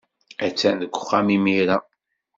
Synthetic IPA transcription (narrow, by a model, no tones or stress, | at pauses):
æt͡sːænðəkʷːχːæmimiɾa